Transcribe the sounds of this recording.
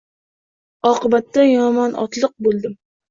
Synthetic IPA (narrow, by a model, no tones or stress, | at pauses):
ɒqɨbat̪ːajɒmɒnɒ̰t̪lˠɨq̚bolˠd̪ɪm